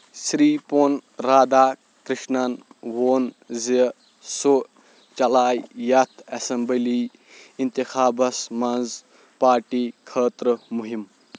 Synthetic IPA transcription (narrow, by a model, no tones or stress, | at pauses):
sɾiːponɾaːd̪aː | kɾiʃnɐnʋoːn | zi | so | t͡ʃɐlaːjjɐt̪ʰɐsɐmbəliː | int̪ixaːbɐsmɐnz | paːɾʈiːkʰəːt̪ɾmuɦim